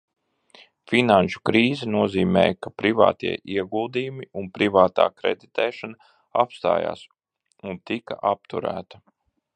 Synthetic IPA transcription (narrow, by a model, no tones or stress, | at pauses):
finanʃu̥kɾiːzɛnuɔziːmɛ̰ːjkapɾiva̰ːt̪iɛʔiɛɡulˠd̪iːjumiunpɾivaːt̪a̰ːkɾḛd̪it̪ɛːʃana | a̰pst̪a̰ːja̰ːs | unt̪ika̰ʔap̚t̪uɾæ̰ːt̪ḁ